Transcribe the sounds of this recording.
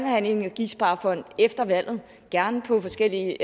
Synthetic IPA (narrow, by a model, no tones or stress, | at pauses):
nhæn̰le̝ŋɒɡ̥isb̥ɑ̈ːfɒ̽n̰d̥efd̥ɐʋæl̰ð̞̩ˠ | ɡ̥æɐnəpʰɒ̽fɒ̽sɡ̥el̰iə